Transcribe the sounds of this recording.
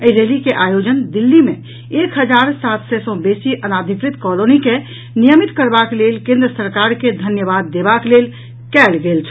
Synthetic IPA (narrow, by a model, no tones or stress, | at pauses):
əiɾelikeʔajod͡ʒənd̪ilːimẽ | ekɦəd͡ʒaɾsat̪sɛsɔ̃besiʔənad̪ʱikɾit̪kɔlonike | nijəmit̪kəɾbaklelkẽnd̪ɾəsəɾkaɾked̪ʱənjəbad̪ːebaklel | kɛlɡelt͡ʃʰ